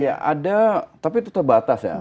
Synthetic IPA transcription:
ja̰ʔadat̪apit̪̬ut̪ərbat̪asja̰

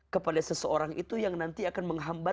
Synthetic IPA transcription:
kəpadasəsəoɾaŋʔit̪ujaŋnant̪iakanməŋɦamba

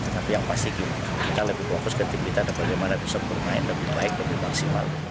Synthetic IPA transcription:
t̪ət̪apijaŋpast̪ɪkit̪akit̪aləbɪhfokʊskənt̪ipkit̪adanbaɡajmanabisɔk̚bərmaɪnləbɪhbaɪk̚ləbɪhmaksima̰l

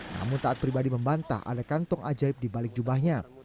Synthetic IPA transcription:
na̰mʊnt̪aat̪̚pɾibadiməmbant̪a̰a̰dakant̪ɔŋʔad͡ʒaɪp̚dibalɪk̚d͡ʒubahɲa

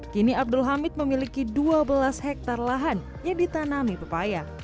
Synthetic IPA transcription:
kiniab̚dʊlɦamɪt̪̚məmilikiduabəlashɛk̚t̪arlaɦan | jaŋdit̪anamipəpaja

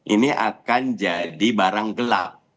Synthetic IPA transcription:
ʔiniʔakand͡ʒadibaɾaŋɡəla̰p̚

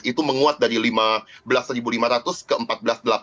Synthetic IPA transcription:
it̪uməŋuat̪̚daɾilimabəlasːəɾibulimaɾat̪ʊskəəmpat̪̚bəlasdəlap

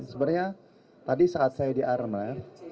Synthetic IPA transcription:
səbərɲa | t̪adisaːt̪̚sajadiʔarma

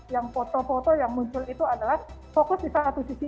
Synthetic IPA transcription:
jaŋfot̪ɔfot̪ɔjaŋmuɲt͡ʃʊlit̪uadalahfokʊsdisaat̪usisi

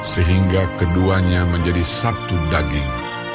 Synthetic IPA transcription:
səɦiŋɡakəduaɲaməɲd͡ʒadisat̪udaɡɪŋ

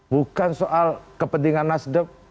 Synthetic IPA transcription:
bukansoʔalkəpənd̪iŋanːasdəp̚

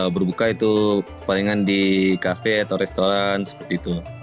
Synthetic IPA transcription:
bərbukait̪u | paliŋandikafɛat̪awɾɛst̪oɾansə̥pərt̪iːt̪u

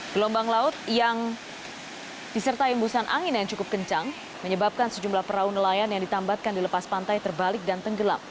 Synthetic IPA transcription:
ɡ̥əlɔmbaŋlaʊt̪̚jaŋ | d̥isərt̪aimbusanʔaŋɪnjaŋt͡ʃukʊp̚kəɲt͡ʃaŋ | məɲəbap̚kansəd͡ʒumlahpəɾaunəlajanjaŋdit̪ambat̪̚kandiləpaspant̪ajt̪ərbalɪk̚dant̪əŋɡəla̰m

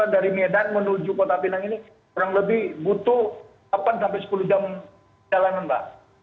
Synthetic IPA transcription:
andaɾimedanmənud͡ʒukot̪apinaŋini | oɾaŋləbɪhbut̪u | apansampajsə̥pulud͡ʒam | d͡ʒalananpa̰h

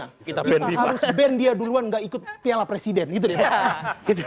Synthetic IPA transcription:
akit̪akiɛnaiɾʊsbɛndiaduluanŋɡaʔikʊt̪̚pialapɾesidɛnɡit̪udit̪aɡit̪

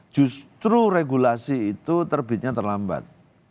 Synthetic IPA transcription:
d͡ʒ̥ṳst̪ɾuɾeɡulasiːt̪ut̪ərbit̪̚ɲat̪ərlamba̰t̪̚

